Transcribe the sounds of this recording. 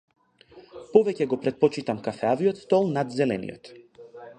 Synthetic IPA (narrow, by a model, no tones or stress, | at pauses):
pɔvɛcɛɡɔpɾɛt̪̚pɔt͡ʃit̪amkafɛaviɔt̪st̪ɔlˠnad̪zɛlɛ̰nḭjɔ̰t̪